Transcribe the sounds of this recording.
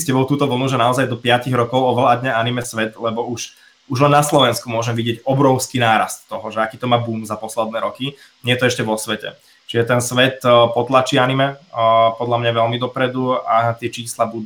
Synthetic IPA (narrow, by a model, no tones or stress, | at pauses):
scɛbɔʊt̪uːt̪ɔʋl̩nuʒɛnaɔzajd̪ɔpɪaciɣɾɔkɔʊɔʋlad̪ɲaanimɛsʋɛt̪lɛbɔuʃ | uʒlɛnnaslɔʋɛnskumʊɔʒɛmʋiɟɪɛɟɔbɾɔʊskiːnaːɾa̰st̪ːɔɦɔʒɛakiːt̪ɔmaːbuːmzapɔslɛd̪nɛːɾɔki | ɲɪɛjɛt̪ɔɛʃcɛʋɔsʋɛcɛ̰ | t͡ʃiʒɛt̪ɛnsʋɛt̪pɔt̪lat͡ʃiːanimɛpɔd̪lamɲaʋɛlmid̪ɔpɾɛd̪uat̪ɪɛt͡ʃiːslabud̪